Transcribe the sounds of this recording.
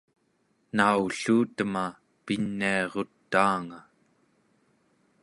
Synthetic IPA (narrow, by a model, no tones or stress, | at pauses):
nauɬuːt̪əma | pinːiɑʁot̪ːaːŋa